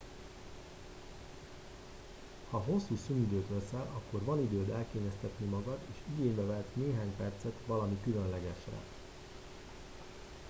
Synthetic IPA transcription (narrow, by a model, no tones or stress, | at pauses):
hɒɦo̞sːuːsynid̪øːt̪vɛsɛlʔɒkːo̞rvɒnid̪øːd̪ɛlkeːɲɛst̪ɛt̪nimɒɡɒd̪eːʃiɡeːɲbɛvɛlt̪neːɦaːɲpɛrt̪sɛt̪ʋɒlɒmikylø̞nlɛɡɛʃrɛ̰